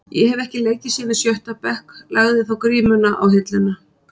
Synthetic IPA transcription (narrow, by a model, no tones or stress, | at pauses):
jɛhɛvɛhcɪleːjcɪsiːmɪsjœht̪apɛhklʔaɣðɪθawkɾiːmʏnaʔa̰wɦɪt̪lɪnːa